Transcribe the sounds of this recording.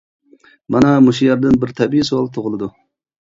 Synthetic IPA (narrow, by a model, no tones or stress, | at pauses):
mɑnɑmuʃijɑɾd̪ɨnbɪɾt̪ʰɛbiisuwɑlˠt̪ʰoʁɨlˠɨd̪u